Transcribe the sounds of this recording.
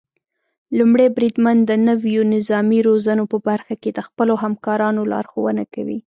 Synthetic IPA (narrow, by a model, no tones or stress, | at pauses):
lumɽebɾid̪mand̪ənəwjonɪzɑmiɾozanopəbaɾxaked̪əxpəloɦamkɑɾɑnolɑ̰ɾxowənakawḭ